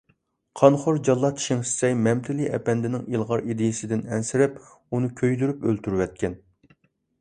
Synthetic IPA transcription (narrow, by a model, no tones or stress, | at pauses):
qʰɑnχoɾd͡ʒɑlˠːɑt̪ʰi̥ʃɪŋsɪ̥sɛjmɛmt̪ʰɪliʔɛ̰pɛnd̪ɪnɪŋilˠʁɑɾid̪ɪjɪsɪd̪ɪnɛnsɪɾɪp | unɨkʲʰøjd̪yɾypølt̪ʰyɾwɛt̪̚kʲɛn